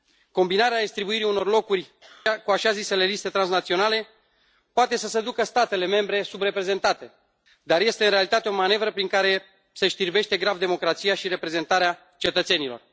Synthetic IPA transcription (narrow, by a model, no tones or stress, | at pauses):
ko̞mbinaɾead̪ist̪ɾibuiɾiuno̞rlo̞kurʲkuaʃazise̞le̞list̪e̞t̪ɾansnat̪sio̞nale̞ | poat̪esəsed̪ukəst̪at̪e̞le̞me̞mbɾe̞subre̞pɾe̞ze̞nt̪at̪e̞ | d̪arje̞st̪e̞ɨnɾealit̪at̪eo̞mane̞vɾəpɾiŋkaɾe̞ | se̞ʃt̪irbe̞ʃt̪e̞ɡɾavd̪e̞mo̞kɾat̪sijaʃiɾe̞pɾe̞ze̞nt̪aɾea | t͡ʃe̞t̪ət̪se̞nilo̞̰r